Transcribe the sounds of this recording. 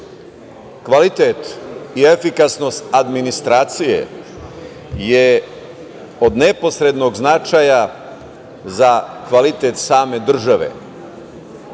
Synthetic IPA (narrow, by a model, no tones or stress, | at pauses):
kʋalit̪et̪iefikasno̞st̪ad̪minist̪ɾaːt̪sijḛ | je | o̞d̪ne̞po̞sɾed̪no̞ɡznat͡ʃaja | zakʋalit̪et̪saːme̞d̪r̩ʒaʋḛ